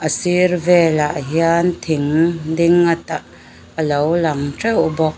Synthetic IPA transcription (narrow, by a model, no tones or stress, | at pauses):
ʔəsiɾvɛlaʔɦiant̪ʰiŋd̪iŋːat̪aʔ | əlowlaŋtɛwbɔk̚